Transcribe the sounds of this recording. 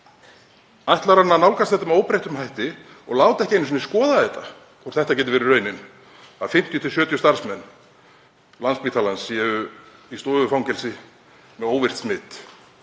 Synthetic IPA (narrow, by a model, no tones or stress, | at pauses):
ajht̪laɾanːanawkast̪θɛht̪ːamɛoːwpɾejht̪ʏmɦajht̪ɪ | ɔɣlaːwt̪ɛhcɪejns̬ɔnɪskɔːðaðɛt̪a̰ | kʰvɔr̥θɛht̪acɛːt̪ʏvɛɾɪrœɥnɪn | aðfɪm̥t̪jʏt̪ʰɪlsjœːt̪jʏst̪aɾ̥smɛnː | lanspiːt̪ʰalansiɛʏist̪oːʏfaw̃ŋcɛlsɪ | mɛðoːwvɪr̥t̪smɪt̪